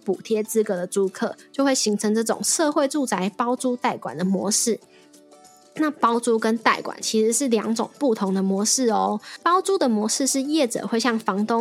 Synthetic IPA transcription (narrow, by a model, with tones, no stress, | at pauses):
pu˨˩t̪ʰjɛ˥t͡sɹ̩˥kɤ˧˥d̪ə˨t͡su˥kʰɤ̰˥˨t͡ɕjo˥˧ʊxwe˥˩ɪɕi˧˥ŋʈ͡ʂʰɤ˧˥ŋʈ͡ʂɤ˥˩ʈ͡ʂʊ̰˨˩ŋʂɤ˥˧xwe˥˧ɪʈ͡ʂu˥˨˩t͡sa˧˥ɪpɑ˥ʊt͡su˥t̪a˥˩ɪkwa̰˨˩nd̪ə˩mwɔ˧˥ʂɻ̩˥˩ | na˥˨pɑ˥ʊt͡su˥kə˦˥nt̪a˥˩ɪkwa̰˨˩nt͡ɕʰi˧˥ʂɻ̩˧˦ʂɻ̩˥˩ljɑ˧˥ŋʈ͡ʂʊ̰˨˩ŋpu˥˩t̪ʰo˧˥ŋd̪ə˨mwɔ˧˥ʂɻ̩˥˩ɔ˧˦pɑ˥ʊt͡su˥d̪ə˨mwɔ˧˥ʂɻ̩˥˧ʂɻ̩˥˧jɛ˥˩ʈ͡ʂɤ̰˨˩xwe˥˧ɪɕjɑ˥˩ŋfɑ˧˥ŋt̪ʊ˥